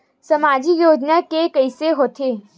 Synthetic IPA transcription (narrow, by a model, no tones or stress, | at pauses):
sɐmaːd͡ʒijoːd͡ʒnakekəɪseɦoːt̪ʰeː